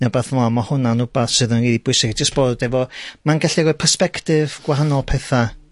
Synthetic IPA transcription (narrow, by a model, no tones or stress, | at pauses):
nabaθvɔamahʊnanʊbaθsɨðənɡiːdibʊjsɪɡd͡ʒəstb̥oːdɛvɔmanɡɛɬiɡɔpʰərspɛktɪv̥ɡ̥waɦanɔlˠpʰɛθa